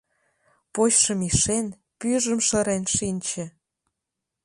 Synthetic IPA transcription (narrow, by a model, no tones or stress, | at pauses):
poɕʃə̆miʃen | pyʒə̆mʃɤ̆ɾenʃinʲt͡ɕĕ